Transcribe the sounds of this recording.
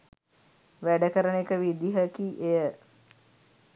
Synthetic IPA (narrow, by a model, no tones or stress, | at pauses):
ʋæɖəkəɾənekəʋid̪iɦəkiʔejə